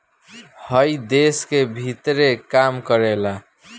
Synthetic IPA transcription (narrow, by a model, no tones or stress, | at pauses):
hʌjd̪eskebʱit̪ɾekamkʌɾela